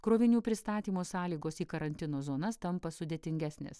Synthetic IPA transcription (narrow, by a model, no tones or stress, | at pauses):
kɾoːʋʲɪnʲuːpʲɾʲɪst̪ɑːt̪ʲiːmoːsɑːlʲiːɡoːsiːkɐɾɐnʲt̪ʲɪnoːzoːnɐst̪ɐmpɐsʊd̪ʲeːt̪ʲɪŋʲɡʲæsʲnʲḛːs